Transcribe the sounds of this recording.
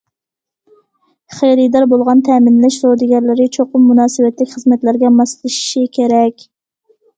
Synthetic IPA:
χejɾid̪ɑɾbolˠʁɑnt̪ʰɛmɪnlɪʃɾod̪ɪɡʲɛɾlɪɾɪt͡ʃʰoqʊmːunɑːsɨwɛt̪lɪkʲχəzmɛt̪læɾɡʲɛmɑslˠɨʃi̥ʃikʲʰeɾɛkʲ

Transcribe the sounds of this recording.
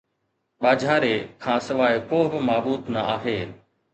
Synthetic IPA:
ɓaːd͡ʒʱaːɾeːkʰãːsɐʋaːɪkoːɦbɪmaːɓuːt̪nəaːɦeː

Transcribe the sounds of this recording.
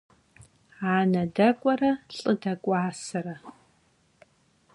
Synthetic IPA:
aːnɐdɐkʷʼɔrɐɬʼɨdɐkʷʼaːsɨrɐ

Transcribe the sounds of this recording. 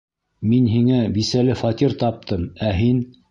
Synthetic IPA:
minɦiŋæbisælɘfɑt̪ʲiɾt̪ɑp̚t̪ʰɤmæɦin

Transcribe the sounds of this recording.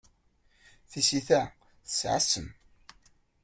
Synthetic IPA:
θisiθæ | θə̥sʕa̰sːəm

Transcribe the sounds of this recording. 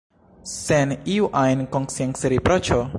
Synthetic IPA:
sɛniuʔajnkɔŋsiãŋsɾipɾɔt͡ʃo

